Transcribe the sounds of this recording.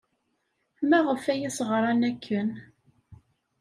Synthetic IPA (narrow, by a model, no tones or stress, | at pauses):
mæʁəfæjisʁɾˤɑnækʰːən